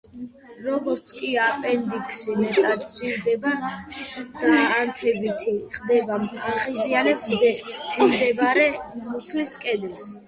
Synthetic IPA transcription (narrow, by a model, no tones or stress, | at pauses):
ɾɔɡɔɾt̪sʰʼkʼiapʼɛnd̪iksimɛt̪ʼabt͡ʃ̪ʼiɾd̪ɛba | d̪̥aːnt̪ʰɛbit̪ʰiχd̪ɛbamaʁizianɛb̪ | mimd̪ɛbɾɛmut̪sʰliskʼɛd̪ɛs